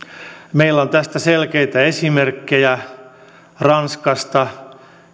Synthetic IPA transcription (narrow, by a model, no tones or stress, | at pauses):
meilːont̪æst̪æselkeit̪æesimerkːejæ | rɑnskɑst̪ɑ